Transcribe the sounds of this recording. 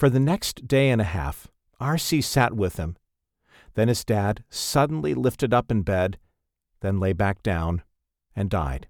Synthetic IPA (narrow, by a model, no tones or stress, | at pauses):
fə˞ðɨnɛksd̥eɪɨ̃nɨhæ̰f | ʔɑɹsisæʔ̚wɪð̥ɨ̰̃m | ðɨ̃nɨzdæd̥sʌdⁿn̩lilɪftɨɾʌpɨ̃nbɛd̪̚ | ðɨ̃nleɪbæk̚d̥ãʊ̃n | ɨ̃nda̰ɪd̥